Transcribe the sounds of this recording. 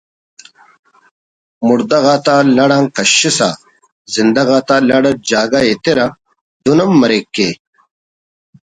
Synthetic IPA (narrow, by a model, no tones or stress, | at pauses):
muɾd̪ɐɣaːt̪aːlɐɽãːŋkɐɕisa̰ | zind̪ɐɣaːt̪aːlɐɽɐd͡ʑaːɡaet̪eɾɐ | d̪unɐmːɐɾekːe